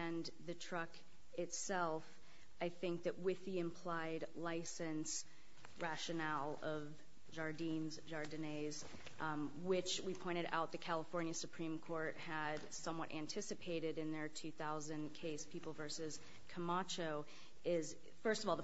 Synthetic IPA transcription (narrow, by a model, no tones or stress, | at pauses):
ɨ̃n | ðɨtʰɹ̥ʌk | ɪtsɛlˠf | aɪθɪ̃ŋk̚ðɨʔ̚wɪðiɨ̃mpʰl̥aɪdlaɪsɨ̃ns | ɹæʃɨnælˠʌv | ʒɑɹdĩnzʒɑɹdɨneɪz | wɪt͡ʃwipʰɔ̃ɪ̃ɾ̃ɨɾa̰ʊt̪̚ðɨkʰælˠəfɔɹnjɨsɨpʰɹ̥ĩmkʰɔɹt̚hɨd̥sʌ̃mwʌɾʔæ̃ntʰɪsɨpʰeɪɾɨɾɨ̃nðə˞tʰʉθaʊzɨ̃nkʰeɪspʰipl̩ˠvɜ˞sɨz̥ | kʰəmɑt͡ʃoʊ | ɪz | fɜ˞stʌvɔlˠðə